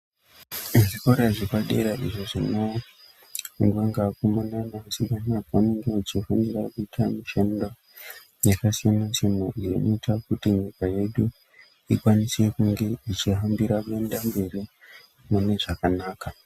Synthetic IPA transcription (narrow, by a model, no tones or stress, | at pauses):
ʐiko̞ɾaʐikaɗe̞ɾaʔḭʐoʐino | ŋɡwaŋɡakumananasikanakaaneŋɡeit͡ʃifaniɾakuitʰamiʃendo | ɲakasijanansenoijenʔoitakutiɲikaje̞ɗu | ikwanisiekuŋɡe̞it͡ʃiɦambiɾakue̞ndambe̞ri | mune̞ʐakanaːka